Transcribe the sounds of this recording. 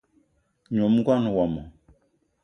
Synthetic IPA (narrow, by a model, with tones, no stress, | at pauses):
ɲ˨o˨m̩˦ɡwa˦n˨wɔ˨mɔ˨